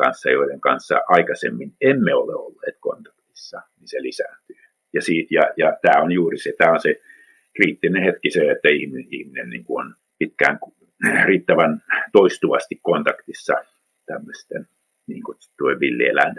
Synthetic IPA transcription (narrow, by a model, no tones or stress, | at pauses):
kɑ̰nsːɑjoiɾeŋkɑnsːɑ̰ʔɑikɑsḛmːinemːeoleo̰lːḛːt̪ko̰nt̪ɑ̥kt̪isːɑninselisæ̰ːˑnt̪yː | jɑsiːt̪jɑjɑt̪æːonjuːriset̪æːonse | kriːt̪ːinehet̪kiseet̪ːæihmiihminennḭːŋkuon | pit̪kæ̰ːŋk | riːt̪ːæʋænt̪oist̪uʋɑst̪ikkont̪ɑkt̪isːɑ̰ | t̪æmːøst̪en | niːŋku | t̪uoiʋʋilːiḛlæ̰nt̪